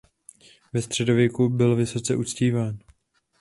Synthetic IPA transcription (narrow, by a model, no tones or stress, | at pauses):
vɛst̪r̝̥ɛdo̞vjɛkubɪlvɪso̞t͡sɛʔut͡sciːvaːn